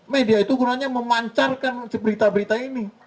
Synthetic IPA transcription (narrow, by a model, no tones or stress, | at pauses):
mediait̪uɡunaɲaməmaɲt͡ʃarkant͡ʃəbəɾit̪abəɾit̪aini